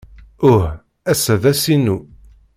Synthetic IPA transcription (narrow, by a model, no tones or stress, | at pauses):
ʊh | æsæðæsinu